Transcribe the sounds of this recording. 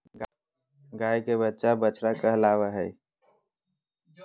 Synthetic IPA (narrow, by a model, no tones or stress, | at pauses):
ɡajkebətːʃabəːt͡ʃɾakəɦlaʋəɦəj